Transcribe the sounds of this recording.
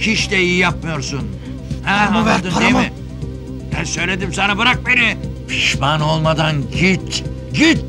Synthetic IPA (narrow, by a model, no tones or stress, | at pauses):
cʰiʃt̪ɛijijap̚mɯjo̞ɾsun | hɛad̪ɯmeɪ | ɛnsø̞jlʲe̞d̪imsanabɯɾak̚be̞nipʰiʃmano̞lˠmad̪anɟit̪ | ɟit̪̚